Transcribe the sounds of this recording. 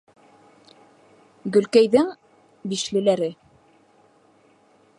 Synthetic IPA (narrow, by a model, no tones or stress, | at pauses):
ɡɵ̆lkæjðɘŋ | biʃlɘ̆læɾɘ